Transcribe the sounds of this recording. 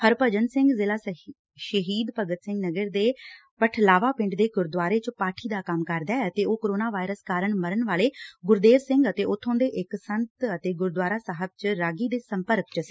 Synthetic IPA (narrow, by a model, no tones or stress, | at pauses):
pʰəɾpəd͡ʒənsɪ̃ŋɡzɪlaː | ʃəɦiːd̪pəɡət̪sɪ̃ŋɡnəɡəɾd̪eː | pəʈʰlaːʋaːpɪ̃ɳɖd̪eːɡʊɾd̪ʋaːɾeːt͡ʃpaːʈʰiːd̪aːkəmkəɾd̪aːət̪eːoːkoːɾoːnaːʋaːiɾəskaːɾəɳməɾəɳʋaːleːɡʊɾd̪eːɾsɪ̃ŋɡət̪eːʊt̪ʰːõːnd̪eːʔɪksənt̪ət̪eːɡʊɾd̪waːɾaːsaɦəb̚t͡ʃɾaːɡiːd̪eːsəmpəɾkt͡ʃsi